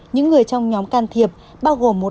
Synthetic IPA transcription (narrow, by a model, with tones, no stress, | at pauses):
ɲɨ̰˧˥ŋːɨ˨˩əjt͡ɕɔ˧wŋ͡mɲɔ˨˦mkaː˧nt̪ʰi˨˩əp̚ | ɓaː˧wɣo˨˩mːo˨˩